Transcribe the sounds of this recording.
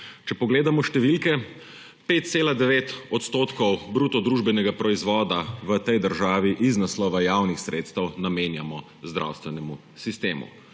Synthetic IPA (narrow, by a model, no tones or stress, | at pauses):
t͡ʃɛpɔɡleːd̪amɔʃt̪ɛʋilkɛ | peːt̪̚t̪seːlad̪ɛʋeːt̪ɔt̪st̪oːt̪kɔwbɾuːt̪ɔd̪ɾuːʒbɛnɛɡapɾɔizʋɔːd̪aʋət̪ɛjd̪əɾʒaːʋiʔiznaslɔːʋajaːwnixsɾḛːt̪st̪ɛwnameːnjamɔ | zd̪ɾʔa̰wst̪ʋɛnɛmu | sist̪eːmṵ